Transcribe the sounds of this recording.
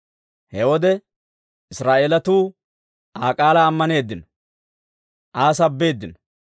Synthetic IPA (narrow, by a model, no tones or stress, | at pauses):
hɛwɔd̪ɛ | ɪsɾaːʔeːlɐt̪uː | ʔaːkʼaːlɐːmːɐne̞ːd̪ːɪnɔ̥ | ʔaːsɐbːe̞ːd̪ːɪnɔ̥